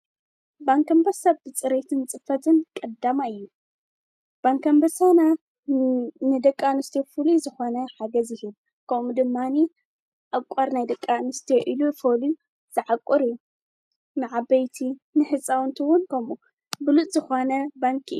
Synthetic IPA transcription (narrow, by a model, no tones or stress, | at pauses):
baŋkʰɐmbɐsɐβbɨt͡sʼɨɾet̪ʰɨnt͡sʼɨfɐt̪ʰɨnkʼɐd̪ːamaɨjːu | b̥aŋkʰɐmbɐsana | nɨd̪ɐkʼːanɨst̪ʰjefulizɨxonɐħaɡɐzjɪhɨβ | kʰɐmud̪ɨmːani | ʔakʷʼɐɾnajd̪ɐkʼːanɨst̪ʰeʔilufolu | z̥ɨʕakʷʼɔɾɨjːu | nɨʕabɐjt̪ʰinɨħɨt͡sʼːawnt̪ʰiwʊnkʰɐmu | bɨlut̪ʼz̥ɨxonɐbaŋkʰʔɨ̰ju